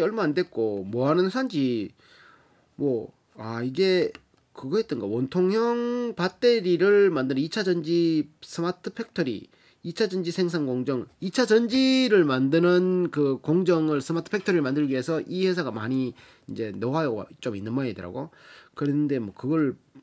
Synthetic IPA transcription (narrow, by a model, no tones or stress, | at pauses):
ʌɭmaːndwe̞t̚k͈omwʌɦanɯnsʰand͡ʑi | mwʌ | aiɡe̞ | kɯɡʌɦet̚d͈ɯnɡawʌntʰoŋjʌŋpat͈e̞ɾiɾɯɭmandɯnɯit͡ɕʰad͡ʑʌnd͡ʑis͈ʰɯmatʰɯpʰe̞k̚tʰʌɾḭ | it͡ɕʰad͡ʑʌnd͡ʑisʰe̞ŋs̬ʰaŋɡoŋd͡ʑʌŋit͡ɕʰad͡ʑʌnd͡ʑiɾɯɭmandɯnɯnkɯkoŋd͡ʑʌŋɯɭsʰɯmatʰɯ̥pʰek̚tʰʌɾiɾɭmandɯɭɡiɦe̞sʰʌʔihe̞s̬ʰaɡamaɲi | ind͡ʑe̞nowajo̰t͡ɕ͈ominːɯnmaidɯɾa̰ɡokɯɾende̞mwʌkɯɡʌɭ